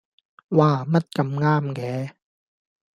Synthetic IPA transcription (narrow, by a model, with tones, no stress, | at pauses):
waː˧mɐ˥t̚kɐ˧mŋaː˥mkɛː˨˦